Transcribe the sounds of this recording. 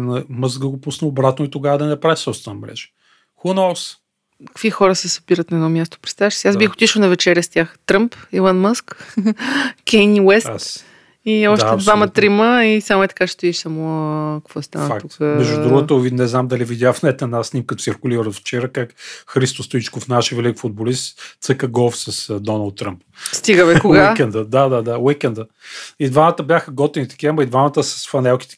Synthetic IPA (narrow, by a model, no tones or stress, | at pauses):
nəməzɡɡəɡopusnəobɾat̪noit̪oɡavəd̪ɐnɛpɾavisɔpst̪vɛnmɾɛ̰ʒɛ̥ | xunɔws | kə̥kvixɔɾəsɛsɐ̥biɾət̪nɐɛd̪nɔmʲjast̪o̥pɾɛt̪t̪avɛʃsiazbixot̪iʃəwnɐvɛt͡ʃɛɾʲjəst̪ʲjaxt̪ɾɤmpilˠanməsk | kɛjniwɛsas | iɔʃaɛd̪vamɐt̪ɾiməisamoɛt̪ɐ̥kaʃɛt̪ɛviʃsamokɐkvɔst̪anfəak̪t̪ut̪kəmɛʒud̪ɾuɡət̪ovinɛznamd̪ɐlivid̪ʲjafnɛt̪ɛnasnimkət̪o̥siɾkʊliɾɾəft͡ʃɛɾəkakxɾist̪ost̪oit͡ʃkʊfnaʃɛvɛlikfʊd̪̚bolist̪t̪səkəɡɔfsɐsd̪ɔnəlˠt̪ːɾəmpst̪iɡəmɛkoɡaikɛnd̪əd̪ad̪ad̪awikɛnd̪ə | id̪vamət̪əbʲjaxəɡɔt̪init̪ɐ̥kʲiəmɐid̪vamət̪əsə̥sfɐnɛlˠki̥t̪ɛ̥